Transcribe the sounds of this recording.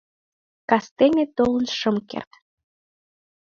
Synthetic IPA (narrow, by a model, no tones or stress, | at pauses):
kɑst̪enet̪olə̆nʃəmkḛrt̪